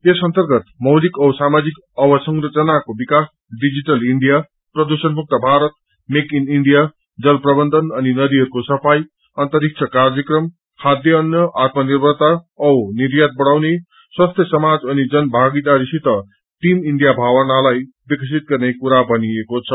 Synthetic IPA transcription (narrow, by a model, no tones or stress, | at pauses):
esʌnt̪ʌrɡʌt̪mʌwlikʌwsamad͡zik | ʌbʌsʌŋrʌt͡sʌnakobikas | ɖid͡ziʈʌliɳɖija | prʌd̪usʌnbʱuk̚t̪ʌbʱaɾʌt̪̚ | mekiniɳɖija | d͡zʌlprʌbʌnd̪ʱʌnʌninʌd̪iɦʌɾukosʌpʰaj | ʌnt̪ʌɾik̚t͡sʰʌkard͡zʌkrʌm | had̪jʌːnjʌʔat̪̚mʌnirbʱʌrt̪aʌwniɾjat̪̚bʌɽawne | swast̪ʰjʌsʌmad͡zʌnid͡zʌnbʱaɡid̪aɾisit̪ʌ | ʈimiɳɖijabʱawʌnalaj | bikʌsʰit̪̚ɡʌrnekuɾabʱʌniekot͡sʰʌ